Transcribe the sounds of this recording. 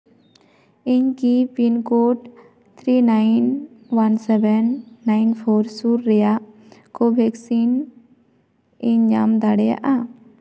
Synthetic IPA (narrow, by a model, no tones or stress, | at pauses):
ɪɲkipinkoʈ | t̪ʰɾiːnaɪnʋansɛbɛnːaɪnpʰoɾsuːɾːɛja | kobʱɛksin | ɪɲd͡ʒa̰md̪aɽeja̰ʔa